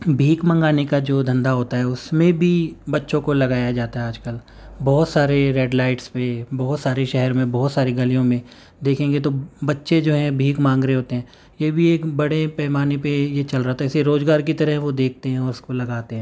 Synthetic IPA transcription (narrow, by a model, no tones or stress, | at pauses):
bʱiːkmɐ̃ŋɡaːnekad͡ʒoːd̪ʱɐ̃nd̪aɦoːt̪aɦɛʊsmẽbʱibɐtːʃõkolɐɡaːjad͡ʒaːt̪aɦɛaːd͡ʒkəl | bɔːt̪saːɾeɾɛːɖlaːɪʈspebɔːʊt̪saːɾeʃɛɦɛɾmẽbɔːt̪saːɾiɡɐlijõmẽ | d̪eːkʰẽːŋɡet̪obɐtːʃed͡ʒoːɦɛ̃bʱiːkmãːŋɡɾeeɦoːt̪eɦɛ̃ː | jebʱieːkbɐɽepɛːmaːnepejet͡ʃɐlɾaɦt̪aɦɛɪseɾoːzɡaːɾk̬it̪ɐɾəɦɛ̃ʋod̪eːk̚ʰt̪eɦɛ̃ɔːɾʊskolɐɡaːt̪eɦɛ̃ː